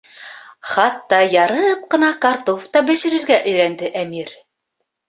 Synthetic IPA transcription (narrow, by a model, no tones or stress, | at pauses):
χɑt̪ːɑjɑɾɤp̚qɤ̆nɑkɑrt̪oft̪ɑbɘ̆ʃɘ̆ɾɘ̆ɾɡæʔɵ̆jɾænd̪ɘʔæmiɾ